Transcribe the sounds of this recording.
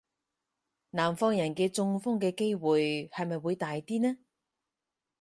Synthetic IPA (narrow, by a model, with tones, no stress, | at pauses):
naː˨˩mfɔː˧ŋjɐ˨˩nkɛː˧t͡sʊ˧ŋfʊ˥ŋkɛː˧ke˥jwuː˨jhɐ˨jmɐ˨jwuː˨˧jt̪aː˨jt̪iː˥nɛː˥